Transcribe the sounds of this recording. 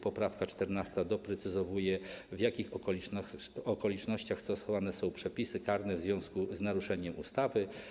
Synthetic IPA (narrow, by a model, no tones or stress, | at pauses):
pɔpɾafkat͡ʂt̪ɛɾnast̪ad̪ɔpɾɛt̪sɘzɔvujɛvjakʲix | ɔkɔlʲit͡ʂnɔɕt͡ɕaxst̪ɔsɔvanɛsɔ̃w̃pʂɛpʲisɘkaɾnɛvzvʲjɔ̃w̃skuznaɾuʂɛɲɛmṵst̪avɘ